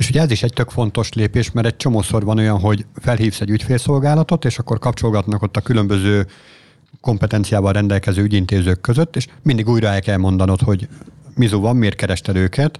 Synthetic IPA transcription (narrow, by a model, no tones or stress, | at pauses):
eːʃuɟɛɛziʃɛɟc̚t̪ø̞kfo̞n̪t̪o̞ʃleːpeːʃmɛɾɛc̚t͡ʃo̞moːso̞rvɒno̞jɒnɦo̞ɟfɛlɦiːfsɛɟycfeːlso̞lɡaːlɒt̪o̞t̪eːʃɒkːo̞rkɒp̚t͡ʃo̞lɡɒt̪nɒko̞t̪ːɒkylø̞mbøzøː | ko̞mpɛt̪ɛnt̪sijaːvɒlrɛnd̪ɛlkɛzøːyɟint̪eːzøːkːøzøt̪ːeːʃmind̪iɡuːjɾɒɛlkɛlmo̞nd̪ɒno̞t̪ho̞ɟmizuvɒmːeːrt̪̚kɛɾɛʃt̪ɛd̪øːkɛt̪